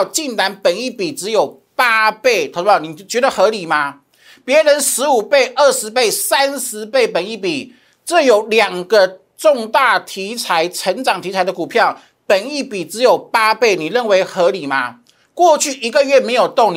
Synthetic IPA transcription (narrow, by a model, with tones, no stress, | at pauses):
t͡ɕi˥˩nt̪a˧˥npə˨˩ni˥˩pi˨˩ʈ͡ʂɻ̩˧˦jo˨˩ʊ | pa˥pe˥˩ɪt̪ʰo˨˧˥ni˨˩t͡ɕɥɛ˧˥d̪ə˨xɤ˧˥li˨˩ma˦ | pjɛ˧˥ɻə˧˦nʂɻ̩˧˥u˨˩pe˥˧ɪʔə˥˩ʂɻ̩˧˥pe˥˩ɪsa˦˥nʂɻ̩˧˦pe˥˩ɪpə˨˩ni˥˩pi˨˩ | ʈ͡ʂɤ˥˩jo˨˩ʊljɑ˨˩ŋɡə˦ | ʈ͡ʂʊ˥˧ŋt̪a˥˩t̪ʰi˧˥t͡sʰa˧˥ɪʈ͡ʂʰə˧˥nʈ͡ʂɑ˨˩ŋt̪ʰi˧˥t͡sʰa˧˥ɪdə˨ku˨˩pʰjɑ˥˩ʊ | pə˨˩ni˥˩pi˨˩ʈ͡ʂɻ̩˧˦jo˨˩ʊpa˥pe˥˩ɪni˨˩ɻə˥˩nwe˧˥ɪxɤ˧˥li˨˩ma˦ | kwɔ˥˧t͡ɕʰy˥˩i˧˥ɡə˧ɥɛ˥˩me˧˥ɪjo˨˩ʊt̪o˥˨˩ŋ